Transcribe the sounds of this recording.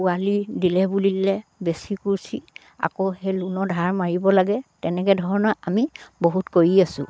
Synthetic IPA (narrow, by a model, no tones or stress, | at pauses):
ualidilɛbulilɛbesikuɹsi | a̰kohelunɔdʱaɹmaɹibɔlaɡɛtɛnɛkɛdʱɔɹɔnɔamiboɦutkojiasʊ̰̃